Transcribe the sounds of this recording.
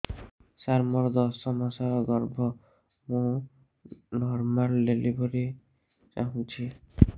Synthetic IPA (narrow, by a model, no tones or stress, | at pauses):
saɾmɔɾd̪ɔsɔmasaɾɔɡɔɾbʱɔ | mũ | nɔɾmalːelibɔɾi | t͡ʃaɦũt͡ʃʰi